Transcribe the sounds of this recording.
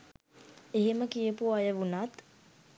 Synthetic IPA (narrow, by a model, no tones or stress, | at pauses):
eɦeməkijəpuajəʋunat̪